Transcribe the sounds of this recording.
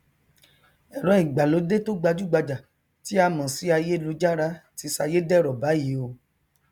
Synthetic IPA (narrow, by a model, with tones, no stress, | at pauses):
ɛ˨ɾɔ̃˨˦i˨ɡ͡ba˨lo˨˦de˦to˦ɡ͡ba˧d͡ʒu˦˨ɡ͡ba˧d͡ʒa˨ | ti˦a˧mã˨si˨˦a˧je˦lo˨˦d͡ʒa˦ɾa˧˦ti˧˦sa˧je˦dɛ˦˨ɾɔ˨ba˨˦ji˨˦o˧